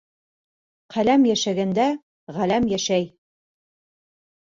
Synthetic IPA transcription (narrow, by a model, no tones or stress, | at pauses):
qʰælæmjæʃæɡænd̪æ | ʁælæmjæʃæj